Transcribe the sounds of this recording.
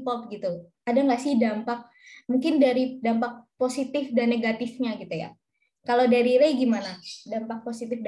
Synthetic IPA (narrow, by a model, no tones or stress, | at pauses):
pɔp̚ɡit̪ukadaŋlasidampak̚ | muŋkɪndaɾidampak̚posit̪ɪfdanːeɡat̪ɪfɲaɡit̪uja̰ | kalodaɾiɾajɡimanadampak̚posit̪ɪfd